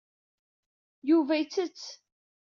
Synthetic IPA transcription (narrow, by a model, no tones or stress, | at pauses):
juvæjt͡sːət͡sː